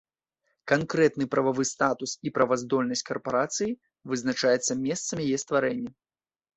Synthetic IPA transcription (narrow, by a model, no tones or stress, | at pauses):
kankɾɛt̪nɨpɾʔɐvavɨst̪at̪usipɾɐvazd̪ɔlʲnɐsʲkɐrpaɾat̪sɨji | vɨznat͡ʂajɛt̪sːɐmʲɛst̪sɐmʲijajɛst̪vaɾɛnʲːɐ